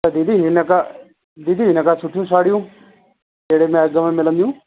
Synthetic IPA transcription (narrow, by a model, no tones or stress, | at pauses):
t̪ɐd̪id̪iɦɪnka | d̪id̪iːɦɪnəkasʊʈʰijũːsaːɽijũː | t̪eːɽemɛ̃ɐɡəmẽmɪlə̃nd̪ijũː